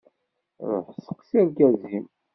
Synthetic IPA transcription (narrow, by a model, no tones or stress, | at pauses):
ɾˤo̰ħsə̥qːsiɾɡæzim